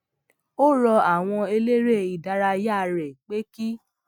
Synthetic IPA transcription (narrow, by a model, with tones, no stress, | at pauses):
o˦ɾɔ˧a˨w̃ɔ̃˧e˧le˦ɾe˦i˨da˨ɾa˧ja˦˨ɾɛ˨k͡pe˦ki˦